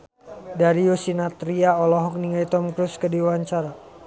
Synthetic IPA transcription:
daɾiosinat̪ɾiaɔlɔɦɔk̚niŋɡajt̪ɔmkɾuskədiwaɲt͡ʃaɾa

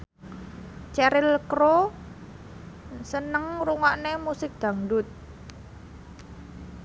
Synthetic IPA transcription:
t͡ʃɛɾɪlkɾo | sənəŋɾuŋaʔnemusɪk̚d̪̥ä̤ŋɖʊt̪̚

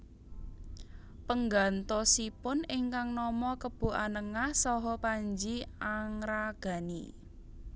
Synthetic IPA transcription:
pəŋɡant̪ɔsipʊnɪŋkaŋnɔmɔkəb̥ṳʔanəŋahsɔɦɔpaɲd͡ʒiaŋɾaɡ̥a̤nḭ

